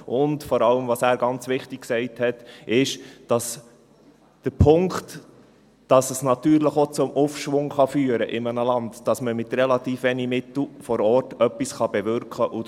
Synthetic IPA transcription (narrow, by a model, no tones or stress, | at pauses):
ʔʊndfɔɾɑləmvɑsæːɾɡɑnt͡sʋɪχtiksɛɪthɛtɪʃd̥ɑs | d̥əɾpʰʊŋkt | d̥ɑsəsnɑtyːɾləχot͡sʊmufʃʋʊŋχɑfyːəɾəʔɪmənəlɑndd̥ɑsməmɪtrɛlɑtiːfʋɛnimɪtl̩ˠfɔɾɔːɾtœpːisχɑb̥ɛvʏɾkχəʔʊ